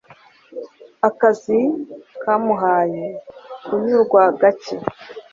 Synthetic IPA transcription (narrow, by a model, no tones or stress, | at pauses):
akazikamuɦaːjekuɲuɾɡwaɡat͡ʃe